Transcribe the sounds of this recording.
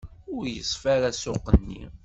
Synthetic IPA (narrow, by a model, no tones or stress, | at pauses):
ʊɾjəsˤfaɾæsʊqːənːḭ